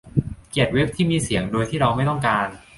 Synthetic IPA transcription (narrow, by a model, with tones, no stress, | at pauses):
ki˨˩ət̪̚we˦˥p̚t̪ʰiː˥˩miː˧si˩˦əŋdoː˧jt̪ʰiː˥˩ɾa˧wma˥˩jt̪ɔ˥˩ŋkaː˧n